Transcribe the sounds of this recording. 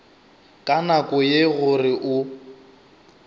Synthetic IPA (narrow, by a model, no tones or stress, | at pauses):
kʼanakʼʊjeɣʊrɪʔʊ